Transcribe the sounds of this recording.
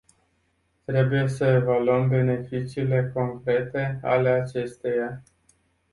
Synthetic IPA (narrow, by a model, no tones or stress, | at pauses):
t̪ɾe̞buje̞səevaluəmbe̞ne̞fit͡ʃiːle̞ko̞ŋkɾe̞t̪e̞a̰le̞at͡ʃe̞st̪eja